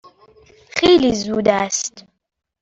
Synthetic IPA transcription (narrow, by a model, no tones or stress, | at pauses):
xeːlizuːd̪æst̪